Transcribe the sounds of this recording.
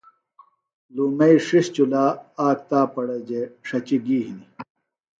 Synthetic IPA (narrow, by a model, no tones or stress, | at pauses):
luːmeiʂist͡ɕulaːaːk̚t̪aːpɐɽɐd͡ʑeʂɐt͡ɕiɡiːɦini